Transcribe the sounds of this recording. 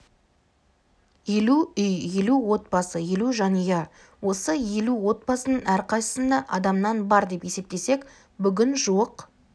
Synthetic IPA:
jeluʏjje̞luwo̞t̪̚bɑsəjeluʒɑnəjɑ | wo̞səje̞luwo̞t̪̚bɑsənənæɾqɑjsə̥sənd̪ɑʔɑd̪ɑmnɑnbɑɾd̪e̞pje̞se̞p̚t̪e̞se̞k | bʏɡʲɪnʒuəq

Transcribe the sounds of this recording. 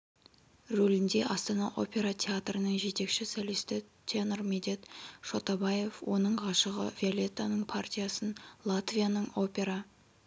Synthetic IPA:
rɵlɪnd̪e̞ʔɑst̪ɑnɑʔo̞pʲe̞ɾat̪ʲʰeat̪rənəɴʒe̞t̪e̞kʃɪsæle̞st̪ɪt̪ʲʰenrmed̪e̞t̪ʃo̞t̪abaje̞fwo̞nəɴʁɑʃəʁə̰vʲiolʲe̞t̪ːanəɴpʰart̪ʲijasənlˠat̪vʲijanəɴo̞pʲe̞ɾa

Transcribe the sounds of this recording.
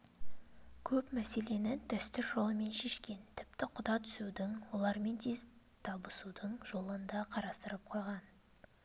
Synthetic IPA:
kʲʰɵpmæse̞le̞nɪd̪ʰæst̪ʏɾʒo̞lˠəme̞nʃe̞ʃkʲe̞nt̪ʰɪpt̪ɪqʰʊd̪ɑt̪ʰʏ̥sud̪ɪŋwo̞lˠɑɾme̞nt̪ʰez | t̪ʰɑbəsud̪əɴʒo̞lˠənd̪ɑqʰɑɾɑst̪əɾəp̚qʰojʁɑn

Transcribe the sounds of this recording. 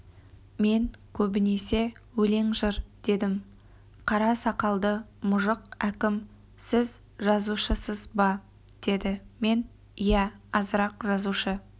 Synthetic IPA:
me̞ŋkʲʰɵbɪne̞se̞wɵle̞ŋʒəɾd̪̥e̞d̪ɪm | qʰɑɾɑsɑqɑlˠd̪əmʊʒəqækʲɪm | sɪz | ʒɑzuʃəsəzbɑ | d̪̥e̞d̪ɪme̞n | ijæɑzəɾɑqʒɑzuʃə

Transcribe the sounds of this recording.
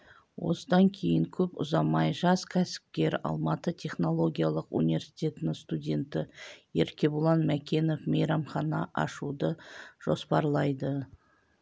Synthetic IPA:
wo̞̰səd̪ɑŋkʲʰe̞jɪŋkʲʰɵpʊ̰zɑmɑjʒɑskʲʰæsɪ̥p̚kʲe̞ɾɑ̰lˠmɑt̪ət̪ʲʰe̞χno̞lˠo̞ɡʲijalˠəqṵnivʲe̞ɾsi̥t̪ʲe̞t̪ɪnɪŋst̪udʲe̞nt̪ɪjeɾkʲe̞bulˠɑnmækʲe̞no̞fmejɾɑmχɑnɑʔɑ̰ʃud̪əʒ̥o̞spɑɾlˠɑjd̪ə

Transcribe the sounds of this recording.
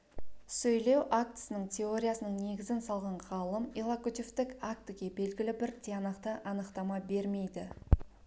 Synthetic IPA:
sɵjle̞wʔak̚t̪ə̥sənəɴt̪ʲʰe̞o̞ɾʲijasənəɴne̞ɡʲɪzɪnsɑlˠʁɑɴʁɑlˠəmilˠakut̪ʲift̪ɪkak̚t̪ɪɡʲe̞be̞lɡʲɪlɪbɪɾt̪ʲʰianɑqt̪əʔɑnəqt̪ɑmɑbe̞ɾme̞jd̪ɪ

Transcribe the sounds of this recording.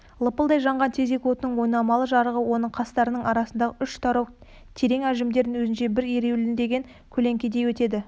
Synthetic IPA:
lˠəpəlˠd̪ɑjʒɑɴʁɑnt̪ʰe̞ze̞kʲwo̞t̪ənəɴwo̞jnɑmɑlˠəʒɑɾəʁəwo̞nəɴqʰɑst̪ɑɾənəɴɑɾɑsənd̪ɑʁəʏʃt̪ʰɑɾow | t̪ʰe̞ɾe̞ŋæʒɪmd̪e̞ɾd̪ɪŋwɵzɪnʃe̞bɪɾeɾewlɪnd̪e̞ɡʲeŋ | kʲʰɵle̞ŋkʲe̞d̪e̞jwɵt̪e̞d̪ɪ

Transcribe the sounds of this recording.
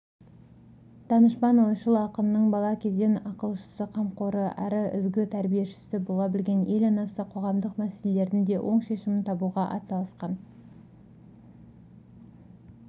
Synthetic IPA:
t̪ʰɑnəʃpɑnwo̞jʃəlˠəɑqənənəɴbɑlˠɑkʲʰe̞zd̪e̞nɑqəlˠʃə̥səqʰɑmqoɾəʔæ̰ɾɪɪ̰zɡʲɪt̪ʰæɾbije̞ʃɪ̥sɪbo̞lˠɑbɪlɡʲe̞ne̞lɑnɑsəqʰo̞ʁɑmd̪əqmæse̞le̞le̞ɾd̪ɪnd̪e̞wʔo̞ɴʃe̞ʃɪmɪnt̪ʰɑbuʁɑʔɑ̰t̪sɑlˠəsqɑn

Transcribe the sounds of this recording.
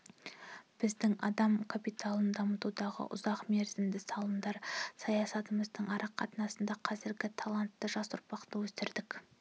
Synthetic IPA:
b̥ɪzd̪ɪŋɑ̰d̪ɑmkʰapijt̪ʰalˠənd̪ɑmət̪ud̪ɑʁə̰ʔʊ̰zɑqme̞ɾzɪmd̪ɪsɑlˠəmd̪ɑɾsɑjɑsɑt̪əməzd̪əɴɑɾɑqʰːɑt̪ənɑsənd̪ɑqʰɑzɪɾɡʲɪt̪ʰɑlˠɑnt̪ːəʒɑsʊɾpɑqt̪əwɵsɪɾd̪ɪk

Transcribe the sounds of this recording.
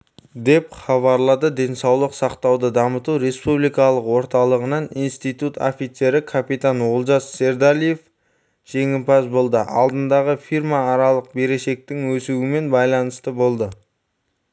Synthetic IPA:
d̪e̞pχɑβɑɾlˠɑd̪əd̪e̞nsɑwlˠəqsɑqt̪ɑwd̪əd̪ɑmət̪uɾe̞spublijkɑlˠəqwo̞ɾt̪ɑlˠəʁənɑninst̪ijt̪ut̪o̰fit̪se̞ɾɪkʰapit̪anwolˠʒɑsse̞ɾd̪alʲije̞f | ʒ̥e̞ŋɪmpɑsbo̞lˠd̪əʔɑlˠd̪ənd̪ɑʁəfirmɑːɾɑlˠəq̚be̞ɾe̞ʃe̞k̚t̪ɪŋwɵsuwɪme̞nbɑjlˠɑnəst̪əbo̞lˠd̪ə

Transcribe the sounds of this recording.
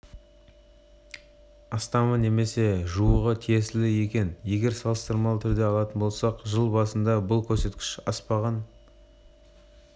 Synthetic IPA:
ɑst̪ɑməne̞me̞se̞ʒuəʁət̪ʰije̞sɪlɪje̞kʲe̞nje̞ɡʲe̞ɾsɑlˠəst̪əɾmɑlˠət̪ʰʏɾd̪e̞ɑlˠɑt̪ənbo̞lˠsɑqʒəlˠbɑsənd̪ɑbʊlˠkʲʰɵɾse̞t̪kʲɪ̥ʃɑspɑʁɑn

